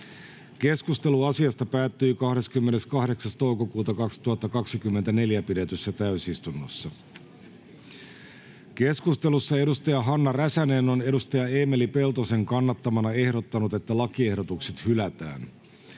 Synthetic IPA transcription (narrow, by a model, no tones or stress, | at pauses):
k̟e̞skust̪e̞luɑsiɑst̪ɑpæːt̪ːyːkɑhde̞skymːene̞skɑhde̞ksɑst̪ouko̞kuːt̪ɑkɑksi̥t̪uɦɑt̪ːɑkɑksikymːent̪æne̞ljæpidet̪ysːæt̪æysist̪unːo̰sːɑ | ke̞skust̪e̞lusːɑe̞dust̪ɑjɑɦɑnːɑræsæne̞no̞ne̞dust̪ɑjɑe̞ːmelipe̞lt̪o̞seŋkɑnːɑt̪ːɑmɑnɑe̞hɾot̪ːɑnut̪e̞t̪ːælɑkie̞hdo̞t̪ukse̞t̪hylæt̪æ̰ːn